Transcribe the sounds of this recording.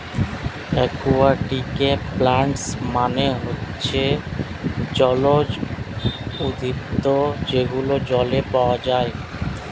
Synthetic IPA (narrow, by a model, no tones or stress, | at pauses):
ɛkuaʈikeplaɳʈsmaneɦotːɕʰe | d͡ʑɔlod͡ʑ | ud̪ipt̪od͡ʑeɡulod͡ʑɔlepaoad͡ʑae